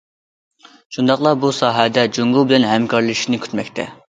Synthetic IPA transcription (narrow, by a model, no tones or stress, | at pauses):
ʃund̪ɑχlˠɑbusɑːɦɛd̪ɛd͡ʒoŋɡubɪlɛnɦɛmkʰɑɾlˠɨʃinɪkʲʰy̥t̪mɛk̚ʲt̪ʰɛ̰